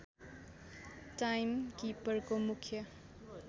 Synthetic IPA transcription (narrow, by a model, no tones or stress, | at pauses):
ʈajmkipʌrkomukʰjʌ